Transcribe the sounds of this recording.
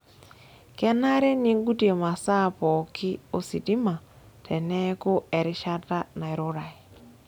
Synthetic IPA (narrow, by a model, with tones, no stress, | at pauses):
kɛ˦na˦ɾɛ˦ni˦ŋɡu˦ti˦e˨ma˨sa˦˨pɔ˨kɪ˦o˦si˨ti˦ma˨ | tʰɛ˨nɛ˦ko˦ɛ˨ɾɪ˦ʃa˦ta˦na˨e˨ɾo˦ɾa˨i˨